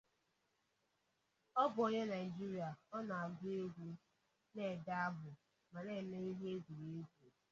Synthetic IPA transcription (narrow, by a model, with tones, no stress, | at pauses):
ɔ˦bʊ˨ɔ˦ɲe˦na˨ɪ˨d͡ʒi˦ɾi˨a˨ɔ˦nɔ˨a˨ɡe˦ɡʷu˦ | ne˨da˦a˦ɦʊ˨ | ma˨ne˦˨me˦i˦ɦe˦ɡu˨ɾe˦ɡu˨